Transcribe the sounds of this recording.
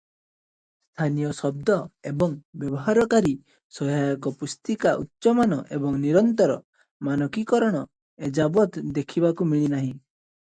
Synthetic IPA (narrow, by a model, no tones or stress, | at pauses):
st̪ʰanijɔsɔb̚d̪ɔebɔŋbjɔbɔɦaɾɔkaɾi | sɔɦajɔkɔpust̪ikaʔṵtːʃɔmanɔʔebɔŋniɾɔnt̪ɔɾɔ | manɔkikɔɾɔɽ̃ɔ | ed͡ʒabɔt̪d̪ekʰibakumiɭinaɦĩ